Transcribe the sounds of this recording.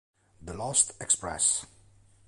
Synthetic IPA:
ðəlɔstɛkspɹɛ̰s

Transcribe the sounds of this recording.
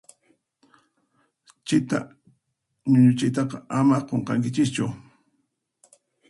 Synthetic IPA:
t͡ʃɪt̪a̰ | ɲʊʎʊt͡ʃɪjt̪ɑqɑamaqoɴqɑŋk̬ɪt͡ʃɪst͡ʃʊ

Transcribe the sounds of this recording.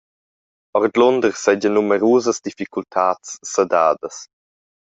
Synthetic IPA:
ɔɾd̪lɔnd̪əɾsɛd͡ʒənːumɛɾuːzəsd̪ifikultʰaːtt͡sːəda̰ːd̪əs

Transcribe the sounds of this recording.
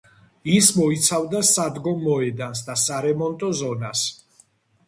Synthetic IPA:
ismɔit̪sʰavd̪asad̪ɡɔmːɔɛd̪ansd̪asaɾɛmɔnt̪ʼɔzɔnas

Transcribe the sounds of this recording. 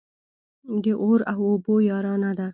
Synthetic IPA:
d̪eʔoɾaɦobojɑːɾɑnad̪a

